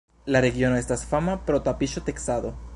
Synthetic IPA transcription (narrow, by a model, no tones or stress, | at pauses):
lareɣjonoest̪asfamapɾot̪apiʃot̪eksaðo